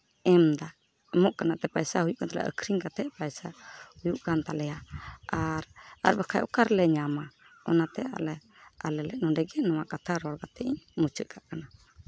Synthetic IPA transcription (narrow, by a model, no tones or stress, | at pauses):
ɛmd̪a | ɛmɔʔkanat̪ɛpajsahujuʔkant̪alɛ̰ʔə̰kʰɾiŋkat̪ʰɛʔpajsahujuʔkant̪alɛjaaɾa̰ɾbɛkʰajʔɔ̰kaɾlɛɲama | ɔ̰nat̪ɛa̰lɛ | alɛlɛʔnɔɖɛɡɛnɔwakat̪ʰaɾɔɾkat̪ʰɛʔiɲmut͡ʃʰəʔkʰaʔkana